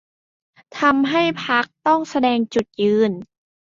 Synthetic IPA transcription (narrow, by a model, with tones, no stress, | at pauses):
t̪ʰa˧mɦa˥˩jpʰa˦˥k̚t̪ɔ˥˩ŋsa˧dɛː˧ŋt͡ɕu˨˩t̪̚jɯː˧n